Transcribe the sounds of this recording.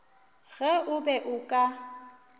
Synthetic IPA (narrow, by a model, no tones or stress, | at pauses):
ɣɛʔʊbɛʔʊkʼa